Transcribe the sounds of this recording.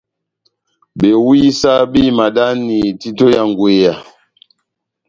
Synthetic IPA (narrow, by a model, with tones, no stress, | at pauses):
ɓe˨wi˦sa˦bi˦˨ma˨da˦ni˨ti˦to˦ja˨ŋɡwe˨ja˨